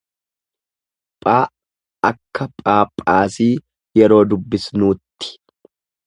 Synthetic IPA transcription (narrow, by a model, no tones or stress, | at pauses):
pʼaː | ɐkːɐpʼaːpʼːaːsiː | jɛɾo̞ːd̪ʊbːɪsnuːt̪ːɪ̥